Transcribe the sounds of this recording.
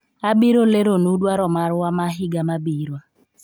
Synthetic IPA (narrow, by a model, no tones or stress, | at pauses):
abiɾoleɾonudwaɾɔmaɾʊamaɦɪɡamabiɾwa